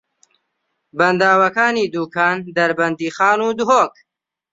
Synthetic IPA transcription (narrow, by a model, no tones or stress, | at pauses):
bɐnd̪aːwɐkaːniːd̪uːkʰaːnd̪ɐɾbɐnd̪iːχaːnuːd̪uɦoːk̚